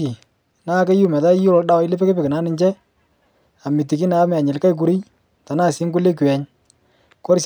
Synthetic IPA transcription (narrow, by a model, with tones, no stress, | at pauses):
i˨ | na˦˨ke˦ju˦mɛ˨ta˦jʊ˦lɔ˨˦da˦wa˦ɪ˦le˦pe˦ke˦pɪ˨kɪ˨na˦nɪ˦ɲt͡ʃɛ˦ | a˨mi˨ti˨ki˦na˨˦m˨a˨ɲɪ˨lka˦jk̬u˨ɾi˦j | ta˨naː˦˨sɪ˦ŋkʊ˦le˦kwɛ˨ɲ | kɔ˦ɾs